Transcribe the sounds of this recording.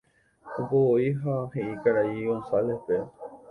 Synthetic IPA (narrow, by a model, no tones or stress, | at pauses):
opooiɦaheikaɾaiõnsalehpe